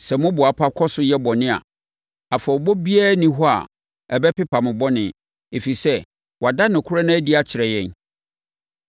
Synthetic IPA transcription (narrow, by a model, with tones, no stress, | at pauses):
sɛ˨mʊ̃˦bʊ˨a˨pʰa˦kʰɔ˦sʊ˦jɛ˦bɔ˨nɪ̃˦a̰˨ | a˨fa˨bɔ˦bi˦a˦nĩ˦ɦɔ˦a̰˨ | ɛ˨bɛ˦pɪ˦pʰa˨mɪ̃˨bɔ˦nɪ̃˨ | e˨fi˨sɛ˦ | wa˨da˦nʊ̃˨kʰʊ˦ɾa˦nã˦æ˦di˨˦a˦t͡ɕʰɪ˨ɾɛ˨jɛ̃˦˨n